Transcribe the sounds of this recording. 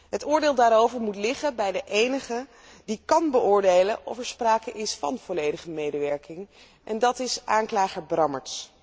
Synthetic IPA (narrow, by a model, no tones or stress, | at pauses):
ɦətʊːɹdeːlˠdaːɾowvəɹmutlɪχəbɛjdəʔejnəχə | dikɑnbəʔʊːɹdejləʔɔ̰fɛɹspraːkəʔɪsfɑ̰nv̥ɔlejdəχəmejdəʋɛɹkɪŋ | ʔɛndɑtɪsʔaːŋklaːχəɹbrɑmə̰ɹts